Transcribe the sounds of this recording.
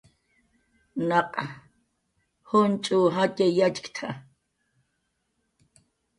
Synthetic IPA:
naqʼa | hʊnt͡ʃʼuɦacʼejat͡ʃkt̪ʰa

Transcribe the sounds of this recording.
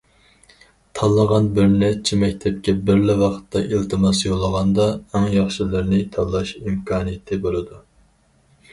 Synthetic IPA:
t̪ʰɑlˠːəʁɑnbɪɾnɛt͡ʃʰimɛkʲt̪ʰɛp̚kʲɛbɪɾlɪwɑqə̥t̪ːɑʔilt̪ʰɨmɑsjolˠːəʁɑnd̪ɑɛŋjɑχʃilɨɾnɪt̪ʰɑlˠːɑʃimkʰɑːnɨjɪt̪ʰɪbolˠɨd̪u

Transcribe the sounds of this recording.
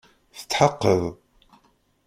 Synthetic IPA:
θə̥t͡s̪ːħəqːəðˤ

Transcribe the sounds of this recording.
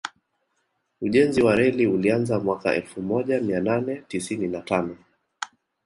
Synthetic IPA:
uʄɛnziwaɾɛliulianzamwaka̰ʔɛ̰lfumɔʄamiananɛtisininatanɔ

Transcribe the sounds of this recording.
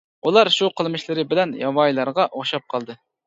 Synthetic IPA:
ulˠɑɾʃuqʰəlˠmɨʃlˠɨɾɪbɪlɛnjɑwɑjlˠɑɾʁɑʔoχʃɑp̚qʰɑlˠd̪ɨ

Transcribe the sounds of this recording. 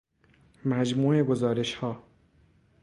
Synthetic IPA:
mæd͡ʒmuːe̞ɡo̞zɒːɾe̞ʃhɒː

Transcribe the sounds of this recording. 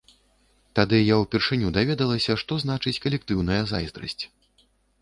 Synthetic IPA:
t̪ad̪ɨjawpʲɛrʂɨnʲud̪avʲɛd̪ɐlˠɐsʲɐʂt̪ɔzn̪at͡ʂɨt͡sʲkɐlʲɛk̚t̪ɨwnɐjɐza̰jzd̪ɾɐ̰sʲt͡sʲ

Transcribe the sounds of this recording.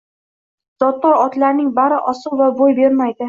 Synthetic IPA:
z̥ɒt̪ːɒɾɒt̪laɾnɪŋbaɾɪʔɒsɨlˠvabojbe̞ɾmajd̪ɪ

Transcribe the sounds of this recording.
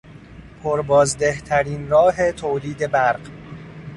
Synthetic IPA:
pʰoɾbɒːzd̪eht̪ʰæɾiːnrɒːɦe̞t̪ʰoːliːd̪e̞bæɾɢ

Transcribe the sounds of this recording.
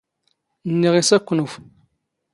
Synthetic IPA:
nːiʁisakʷːunuf

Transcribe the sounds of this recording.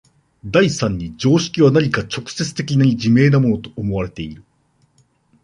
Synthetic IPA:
d̪aisãɲ̟ːid͡ʑo̞ːɕi̥kʲiβanaɲ̟ʲikat͡ɕo̞kɯ̥se̞t͡sɨ̥t̪e̞kʲinaɲʲid͡ʑime̞ːnamo̞no̞t̪o̞̥ːmo̞βaɾe̞t̪e̞iɾɯ̟

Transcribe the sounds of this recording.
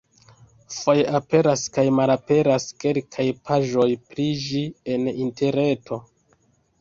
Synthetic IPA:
fo̞jape̞ɾaskajmalape̞ɾaske̞lkʰajpʰaʒo̞jpɾid͡ʒienintʰe̞ɾne̞tʰo̞

